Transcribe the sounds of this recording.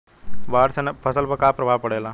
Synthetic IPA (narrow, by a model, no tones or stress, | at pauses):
ʋaːɾsɐnɐpʰɐsɐlbɐkaːpɾɐbʱaːʋpɐɽejɐlãː